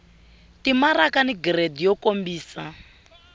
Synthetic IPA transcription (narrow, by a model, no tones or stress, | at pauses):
timaɾakaniɡredijɔkombiːsa